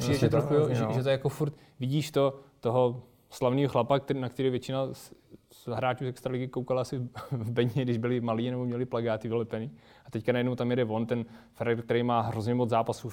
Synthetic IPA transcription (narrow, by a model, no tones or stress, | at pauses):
pidɛɛt̪oʃkujoʒɛʒɛt̪ojakofuɾt̪ | vɪɟiːʃt̪ot̪oɦo | slavniːɦoxlapak̚t̪nakt̪ɛɾiːvjɛt͡ʃɪnas | ɦɾaːt͡ʃuːsɛkst̪ɾalɪɡɪkowkalaasɪvbɛɲɲɛɡdɪʒbɪlɪmaliːnɛbomɲɛlɪplaɡaːt̪ɪvɪlɛpɛniː | at̪ɛckanajɛdnowt̪amjɛdɛvo̞nt̪ɛnfɛɾɛrk̚t̪ɛɾɛjmaːɦɾozɲɛmod͡zzaːpasuː